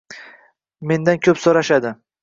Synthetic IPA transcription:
me̞nd̪ankʲʰɵpsoɾaʃad̪ɪ

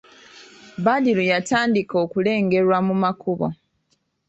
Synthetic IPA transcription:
badilujataːndiko̞ːkule̞ːŋɡe̞ɾwamumakuβo̰

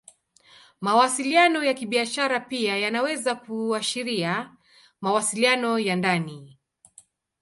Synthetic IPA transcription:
mawasilianɔjakiɓiaʃaɾapiajanawɛzakuaʃiɾia | mawasilianɔjandani

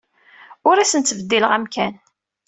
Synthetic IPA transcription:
ʊɾæsənt̪ːəvəd̪ːiləʁæmkæn

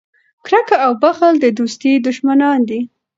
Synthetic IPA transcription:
kɾakaawbaxəld̪əd̪ust̪id̪ʊʃmanɑnd̪i

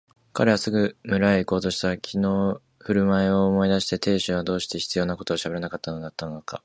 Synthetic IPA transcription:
ka̰ɾe̞βasɨɡɯ̟mɯ̟ɾaeiko̞ːt̪o̞ɕi̥t̪akʲʰino̞ː | ɸɯ̟ɾɯ̟mae̞o̞ːmo̞id̪aɕi̥t̪e̞t̪e̞ːɕɨβad̪o̞ːɕi̥t̪e̞çi̥t͡sɨjo̞ːnako̞t̪o̞ːɕabe̞ɾanakat̪ːano̞d̪at̪ːanonoka̰

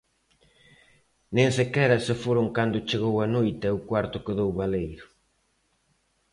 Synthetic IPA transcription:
nẽŋsekɛɾɐsefoɾʊŋkand̪ʊt͡ʃeɣowanojt̪ɛʊkwaɾt̪ʊkɪðowβalejɾʊ

